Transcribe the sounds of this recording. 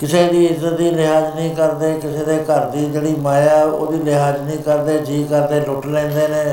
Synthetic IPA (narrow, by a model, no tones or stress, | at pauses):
kɪseːd̪iːɪzət̪̚d̪iːlɪɦaːd͡ʒnĩːkəɾd̪eːkɪseːd̪eːkəɾd̪iːd͡ʒeːɽiːmaːjaːo̰ːd̪iːlɪɦaːd͡ʒnĩːkəɾd̪eːd͡ʒiːkəɾd̪eːlʊʈlɛ̃ːnd̪eːnẽː